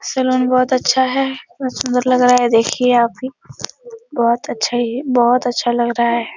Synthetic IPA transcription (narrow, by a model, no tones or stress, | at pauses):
sɛluːnbɔːt̪ɐtːʃʰaɦɛɐsʊ̃nd̪əɾlɐɡɾaaɦɛd̪eːkʰieaːpɦi | bɔːt̪ɐtːʃʰaibɔːt̪ɐtːʃʰalɐɡɾɐɦaɦɛː